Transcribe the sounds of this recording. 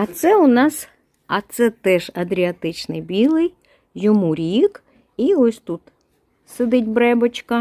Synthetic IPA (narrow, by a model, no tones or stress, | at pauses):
ɐt̪sɛʊnɑs | ɐt̪sɛt̪ɛʒɐd̪ɾʲiɐt̪ɪt͡ʃnɪjbʲilˠɪj | jɔmuɾʲik | iɔsʲt̪ut̪ | sed̪ɪtʲbɾɛbɐt͡ʃkɐ